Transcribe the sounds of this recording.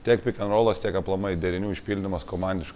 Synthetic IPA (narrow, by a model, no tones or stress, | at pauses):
t̪ʲiɛkpʲɪkʲɛnɾoːlˠɐst̪ʲiɛkɐplˠɐmɐɪd̪ʲɛɾʲɪnʲuːɪʃʲpʲiːlʲd̪ʲɪmɐskomɑˑnʲdʲɪʃk